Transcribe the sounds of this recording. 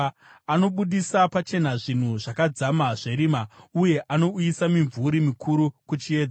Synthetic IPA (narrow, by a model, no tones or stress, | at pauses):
ano̞ɓuɗisapat͡ʃe̞naʐin̤uʐakad͡zamaʐe̞ɾimauje̞ʔano̞uisamiɱvuɾimikʰuɾukut͡ʃie̞ːd͡za